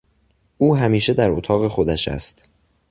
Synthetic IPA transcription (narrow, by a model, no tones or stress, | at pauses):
ʔuːɦæmiːʃe̞d̪æɾot̪ʰɒːɣe̞xo̞d̪æʃæ̰st̪